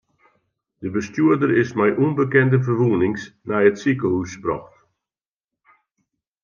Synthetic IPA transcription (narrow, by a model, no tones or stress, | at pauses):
d̥əbəstjuədərɪsmɛjʔunbəkɛndəvərʋuənɪŋsnɛjətsikəhusprɔ̰xt